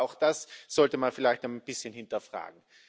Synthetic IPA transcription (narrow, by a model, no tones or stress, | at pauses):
aʊxd̥asz̥ɔltəmanfɪlaɪçtnχanbɪsçənhɪntɐfʁ̥a̰ːɡŋ̩